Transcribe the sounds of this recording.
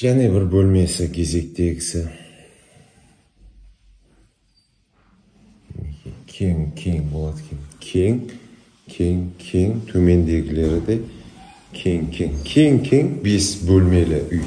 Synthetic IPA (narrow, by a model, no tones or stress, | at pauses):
janebɪɾbolˠmajsaɡʲʰe̞zekʲt̪ʰeɡʲɪsɪ | neekʲʰeŋkʲʰeŋbolˠad̪kʲʰenkʲʰeŋ | kʲʰeŋkʲʰeŋt̪ʰɵmend̪eɡʲleɾɪd̪a | kʲʰeŋkʲʰeŋkʲʰeŋkʲʰeŋbesbɵlˠmejlaʔʊj